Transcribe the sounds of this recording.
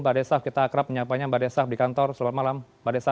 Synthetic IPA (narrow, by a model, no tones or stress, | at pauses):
badesafkit̪aːkɾap̚məɲapaɲabadɛsafdikant̪ɔrsəlamat̪̚malam | badesa